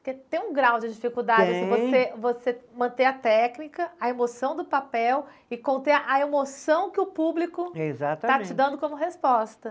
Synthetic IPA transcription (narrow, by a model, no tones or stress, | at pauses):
pʊɾket̪ẽj̃ũɡɾawd͡ʒɪd͡ʒifikuwd̪ad͡ʒɪsɪvosevosemɐ̃t̪eɐt̪ɛknikɐɐemosɐ̃w̃d̪ʊpapɛw | ɪkõt̪eʔɐemosɐ̃w̃kɪʊpublikʊezatɐat͡ʃɪd̪ɐ̃nd̪ʊkõmʊɦespɔst̪ɐ